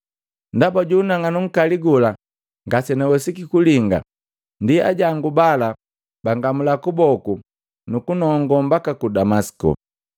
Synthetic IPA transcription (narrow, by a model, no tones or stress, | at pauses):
ndabaɟuːnaŋanuŋ̩kaliɡula | ŋɡasɛnɛwɛsikikuliŋɡa̰ | ndia̰ɟaŋɡubala | baŋɡamulakubɔku | nukunɔŋɡɔmbakakudamaskɔ̰